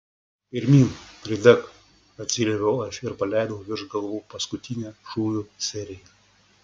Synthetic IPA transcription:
pʲɪɾʲmʲiːnpʲɾʲɪd̪ʲɛk | ɐt̪ʲsʲɪlʲeʋʲɛɐʃɪɾpɐlʲæˑɪd̪ɐʋʲɪɾʒɡɐlˠʋuːpɐskʊt̪ʲɪnʲæːʃuːjuːsʲɛɾʲɪjɛ

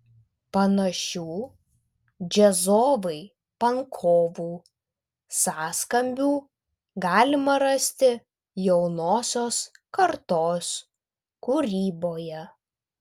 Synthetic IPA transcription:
pɐnɐʃʲuː | d͡ʒʲɛzoːʋɐɪ | pɐŋkʰoːʋuː | sɑːskɐmʲbʲuː | ɡɑːlʲɪmɐɾɐsʲt̪ʲɪ | jɛʊnoːsʲoːskɐɾt̪oːs | kuɾʲiːboːjɛ

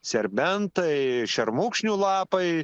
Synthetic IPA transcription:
sʲɛɾʲbʲɛnt̪ɐɪʃʲɛɾmʊːkʃʲnʲuːlˠɑːpɐɪ

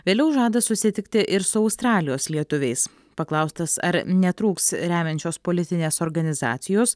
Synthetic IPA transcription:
ʋʲeːlʲɛʊʒɑːd̪ɐsʊsʲɪt̪ʲɪkt̪ʲɪʔɪɾsʊɐʊst̪ɾɑːlʲɪjoːslʲiɛt̪ʊʋʲɛɪs | pɐklˠɐʊst̪ɐsɐ̰ɾnʲɛt̪ɾuːkst̪ɾʲæːmʲɛnʲt͡ʃʲoːspoːlʲɪt̪ʲɪnʲeːsoːɾɡɐnʲɪzɑ̰ːt̪sʲɪjoːs

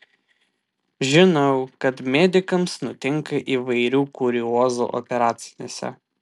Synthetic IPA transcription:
ʒʲɪnɐʊkɐt̪mʲɛd̪ʲɪkɐmsnʊt̪ʲɪŋkɐʔiːʋɐɪɾʲuːkʊɾʲɪoːzṵʔɔ̰pʲɛɾɑːt̪sʲɪnʲeːsʲɛ̰

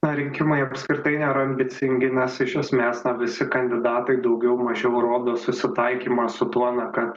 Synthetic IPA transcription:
nɐɾʲɪŋʲkʲɪmɐɪɐpʲskɾʲɪt̪ɐɪnʲeːɾɐɐmʲbʲɪt̪sʲɪŋʲɡʲɪnʲɛsɪʃʲɛsʲmʲɛːsnɐʋʲɪsʲɪkɐnʲd̪ʲɪd̪ɑːt̪ɐɪd̪ɐʊɡʲɛʊmɐʒʲɛʊɾoːd̪oːsʊsʲɪt̪ɐɪkʲiːmɐsʊt̪uɔnɐkɐt̪

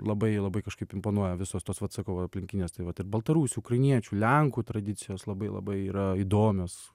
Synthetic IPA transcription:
lˠɐbɐɪlˠɐbɐɪkɐʃkɐɪpɪmpoːnuɔjɛʋʲɪsoːst̪oːsʋɐt̪sɑkɐʊɐɐpʲlʲɪŋʲkʲɪnʲeːst̪ɐɪʋɐt̪ɪɾbɐlˠt̪ɐɾuːsʲuːkɾɐɪnʲiɛt͡ʃʲuːlʲɛŋkuːt̪ɾɐd̪ʲɪt̪t͡s̪ʲɪjoːslˠɐbɐɪlˠɐ̰bɐɪiːɾɐid̪oːmʲoːs

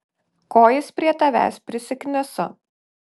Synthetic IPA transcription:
koːjɪspʲɾʲiɛt̪ɐʋʲæ̰ːspʲɾʲɪsʲɪknʲɪsʊ

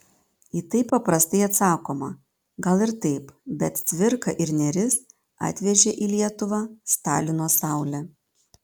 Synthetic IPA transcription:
iːt̪ɐɪpːɐpɾɐst̪ɐɪɐt̪sɑːkoːmɐ | ɡɐlˠɪɾt̪ɐɪpbʲɛt̪t̪ʲʋʲɪɾkɐʔɪɾnʲɛɾʲɪs | ɑ̰ːt̪ʲʋʲɛʒʲɛʔiːlʲiɛt̪ʊʋɑːst̪ɑːlʲɪnoːsɑˑʊlʲɛː

